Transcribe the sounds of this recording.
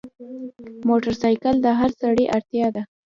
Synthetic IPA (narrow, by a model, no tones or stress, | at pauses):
moʈaɾsɑjkald̪əɦaɾsaɽiʔaɾt̪jɑd̪a